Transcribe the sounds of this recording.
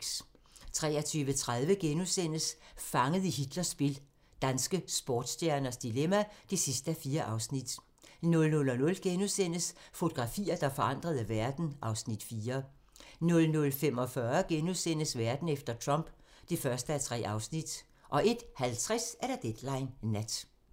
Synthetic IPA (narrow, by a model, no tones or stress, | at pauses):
t͡sʰʁɛ̰ːɐt͡sʰyːʋət͡sʰʁaðˠʋəɡ̥enusen̰əsfɑ̈ŋəð̩ˠihid̥lɐsb̥e̝l | d̥ænsɡ̥əsb̥ɒːd̥sdjæɐnɐsd̥ilemæd̥e̝sisd̥əæfiːɐʔɑ̈ʊsnid̥ | nɔ̽lnɔlɒnɔ̽lɡ̥enusen̰əsfo̝t͡sʰo̝ɡ̥ʁɑ̈fḭːɐd̥ɑ̈fɒ̽ɑ̈n̰d̥ʁɐð̞ˠʋæɐd̥n̩ʔɑ̈ʊsnid̥fiːɐ | nɔ̽lnɔ̽lfem̰ɒfɶɐɡ̥enusen̰əsʋæɐd̥n̩efd̥ɐt͡sʰʁɒ̽m̰b̥d̥efɶɐsd̥əæt͡sʰʁɛ̰ːʔɑ̈ʊsnid̥ | ʔɒ̽ʔe̝d̥hælt͡sʰʁɛsæɐɾ̥æd̥ed̥lɑ̈ɪnːæd̥